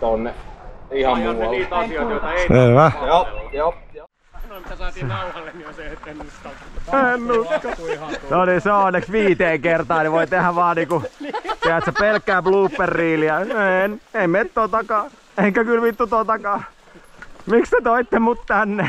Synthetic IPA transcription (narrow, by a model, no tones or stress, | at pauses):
t̪onːeihɑ | oeiʋæ | se | ennuksoliseoˑnːeksʋiːt̪eːŋkert̪ɑːniʋoit̪ehæʋɑːniːkut̪eæt̪sepelkːæːbluːpːerːiːliɑeneimet̪ːoːt̪ɑkɑː | eŋkækylmit̪ːut̪oːt̪ɑkɑː | mikst̪et̪oit̪ːemut̪t̪ænːe